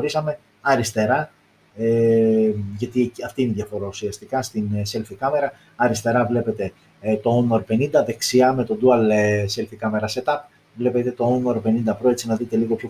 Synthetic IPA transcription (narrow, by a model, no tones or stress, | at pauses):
ɾisɐme̞ | ɐɾist̪e̞ɾɐ | e | ʝɐt̪iɐft̪iineðʝɐfo̞ɾousiɐst̪ikɐst̪inse̞lfikɐme̞ɾɐ | ɐɾist̪e̞ɾɐvle̞pe̞t̪e̞ | t̪o̞onoɾpe̞nind̪ɐðe̞ksiɐme̞t̪o̞d̪uɐlse̞lfikɐme̞ɾɐse̞t̪ɐp̚ | vle̞pe̞t̪e̞t̪o̞onoɾpe̞nind̪ɐpɾoe̞t͡sinɐðit̪e̞liɣo̞pço